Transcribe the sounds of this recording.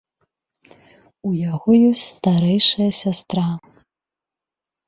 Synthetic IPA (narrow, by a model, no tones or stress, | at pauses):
ujaɣɔjɔsʲtʲt͡sʲst̪aɾɛjʂɐjɐsʲast̪ɾa